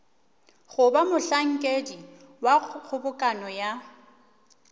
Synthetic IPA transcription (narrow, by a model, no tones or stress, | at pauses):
ɣʊbamʊɬaŋ̩kʼedi | wak͡xʰʊbʊkʼanɔja